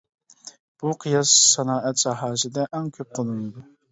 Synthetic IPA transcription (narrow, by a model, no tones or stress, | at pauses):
b̥uqʰɨjɑsːɑnɑːʔɛt̪sɑɦɑːsɨd̪ɛʔæŋkʲʰøp̚qʰolˠɨnɨd̪u